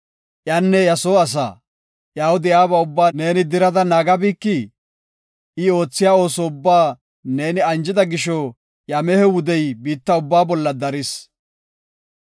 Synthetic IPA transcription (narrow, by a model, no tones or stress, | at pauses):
ʔjaːnːɛjɐsoːɐs̬a̰ː | ʔjaːwʊd̪ɪjaːbɐʊbːaːne̞ːnɪd̪ɪɾɐd̪ɐnaːɡɐbiːkːɪ | ɪo̞ːt͡sːɪjaːo̞ːsɔʊbːaː | ne̞ːnɪɐnd͡ʒɪd̪ɐɡɪʃɔ | jɐmɛhɛwʊd̪ɛjbiːt̪ːɐʊbːaːbɔlːɐd̪ɐɾɪs